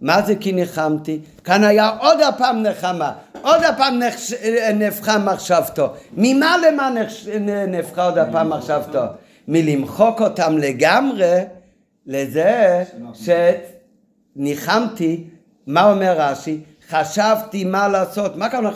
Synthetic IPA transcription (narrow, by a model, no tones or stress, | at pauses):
mazekiniχamt̪i | kanajaʔod̪apaːmneχama | od̪apaːmnenefχamaχʃavt̪omimalemaneenefχaod̪apaːmːaχʃavto | milimχokot̪amleɡamʁe | lezeʃe | niχamt̪i | maomeʁːaʃi | χaʃavt̪imalaːsot̪makaa